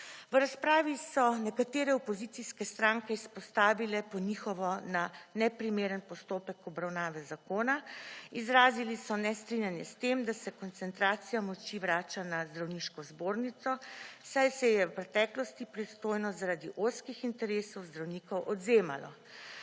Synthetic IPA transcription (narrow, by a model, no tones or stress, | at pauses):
ʋɾaspɾaːʋisɔnɛkat̪eːɾɛɔpɔzit̪siskɛst̪ɾaːŋkɛispɔst̪aːʋilɛpɔnixɔʋɔnanɛpɾimeːɾənpɔst̪oːpɛkɔbɾawnaːʋɛzakoːnaizɾaːzilisɔnɛst̪ɾinʲjanjɛst̪emd̪asɛkɔnt̪sɛnt̪ɾaːt̪sijamɔt͡ʃiʋɾaːt͡ʃanazd̪ɾawniʃkɔzboːɾnit̪sɔsajsɛjɛwpɾɛt̪ɛklɔst̪ipɾɛt̪st̪oːjnɔzaɾaːd̪iʔoskixint̪ɛɾeːsɔwzd̪ɾawniːkɔwʔɔd̪zeːma̰lɔ̰